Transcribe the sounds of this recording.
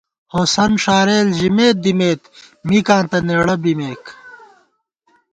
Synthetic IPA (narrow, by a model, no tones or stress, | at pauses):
hosɐnʂaːɾeːlʑimeːt̪̚d̪imeːt̪ | mikãːnt̪ɐneːɽɐbimeːk